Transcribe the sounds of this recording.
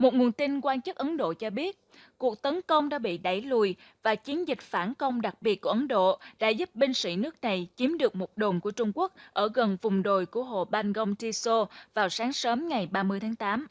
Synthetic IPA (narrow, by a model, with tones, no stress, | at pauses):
mo˨˩t̚ŋu˨˩ənt̪i˧nkwaː˧nt͡ɕɨ˦˥k̚ʔə˨˦nɗo̰˧˨t͡ɕɔ˧ɓi˦˥ət̚ | ku˨˩ək̚t̪ə˨˦nkə˧wŋ͡mɗa̰ː˧˥ɓḭ˧˨ɗa˧˩jlu˧˨˩j | vaː˨˩t͡ɕi˨˦ənzï˨˩k̟̚faː˧˩nkə˧wŋ͡mɗa˨˩k̚ɓi˨˩ət̚ku˧˩əʔə˨˦nɗo̰˧˨ɗa̰ː˧˥zu˦˥p̚ɓi˧ŋ̟sḭ˧˥nɨ˦˥ək̚na˨˩jt͡ɕi˨˦əmɗɨ˨˩ək̚mo˨˩t̚ɗo˨˩nku˧˩ət͡ɕʊ˧ŋ͡mku˦˥ək̚ʔəː˧˩ɣə˨˩nvʊ˨˩ŋ͡mɗo˨˩jku˧˩əɦo̰˧˨ɓaː˧nɣə˧wŋ͡mt͡ɕi˧so˧vaː˨˩wsaː˨˦ŋsəː˨˦mŋa˨˩jɓaː˧mɨ˧əjt̪ʰaː˨˦ŋt̪aː˨˦m